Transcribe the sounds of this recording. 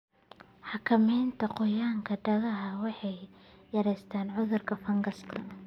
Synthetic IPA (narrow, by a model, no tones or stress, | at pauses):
ħɑkʰɐmɛjnt̪ʰɐqɔjaːŋkʰɐɖɐɣɐɦɐwɑħɑjjɐɾɛjst̪ʰaːnʕʊðʊrkʰɐfɐŋɡɐskʰɐ